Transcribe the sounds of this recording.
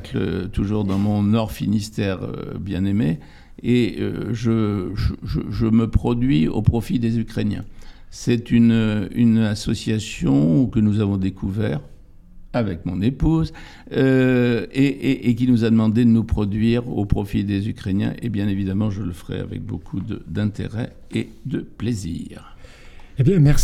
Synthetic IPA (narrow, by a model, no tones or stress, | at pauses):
klə̰t̪uʒuʁd̪ɑ̃mɔ̃nɔʁfinist̪ɛʁ̰bjɛ̃neme | eø̰ʒəʒəʒə̰ʒəməpχɔd̪ɥiopχɔfid̪ezykχenjɛ̰̃sɛt̪ynøynasɔsjasjɔ̃kənuzavɔ̃d̪ekuvɛʁ | avɛkmɔ̃nepuz | ø | eʔeʔːk̬ʲinuzad̪əmɑ̃d̪ed̪ənupχɔd̪ɥiʁopχɔfid̪ezykχenjɛ̰̃ʔebjɛ̃nevid̪amɑ̃ʒələfəʁɛ̰a̰vɛ̰k̚bokʰud̪ə̰d̪ɛ̃t̪ḛʁɛ̰ | e | d̪əplezḭʁ | ebjɛ̃mɛʁs